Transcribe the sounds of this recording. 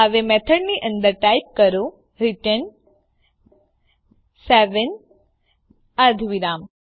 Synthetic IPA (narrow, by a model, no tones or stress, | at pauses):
aʋemɛt̪ʰəɽniʔə̃nd̪əɾʈajp̚kəɾo | ɾiʈən | sɛʋən | ad̪ʱʋiɾam